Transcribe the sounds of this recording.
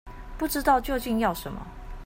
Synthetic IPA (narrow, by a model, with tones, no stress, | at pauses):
pu˥˩ʈ͡ʂɻ̩˧˥t̪ɑ˥˧ʊt͡ɕjo˥˧ʊt͡ɕi˥˧njɑ˥˩ʊʂə˧˥˦nmɐ̰˧